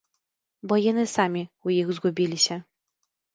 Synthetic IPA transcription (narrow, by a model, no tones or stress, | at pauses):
bɔjanɨsamʲiujiɣzɡubʲilʲiɕɛ